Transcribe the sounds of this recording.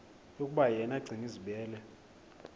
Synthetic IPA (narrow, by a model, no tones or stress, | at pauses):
jokʼuɓajɛnaɡ͡ǀʱiŋiziɓɛːlɛ